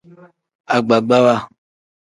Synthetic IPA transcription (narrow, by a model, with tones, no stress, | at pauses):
a˨ɡ͡ba˨ɡ͡ba˦wa˦